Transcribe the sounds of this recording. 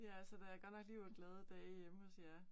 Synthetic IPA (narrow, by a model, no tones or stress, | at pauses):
jæælsəd̥ææɐɡ̥ɒ̥nɒɡ̥liːʋɐnɡ̥lɛːð̞ˠəd̥ɛːjeməhɒsjæ